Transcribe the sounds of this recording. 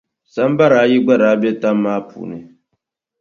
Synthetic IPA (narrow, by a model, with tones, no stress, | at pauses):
sa˦m˦ba˦ɾa˨˦ji˦ɡ͡ba˦ɾa˨˦bɛ˦ta˦mː˦aː˦pʰṵː˨nɨ˨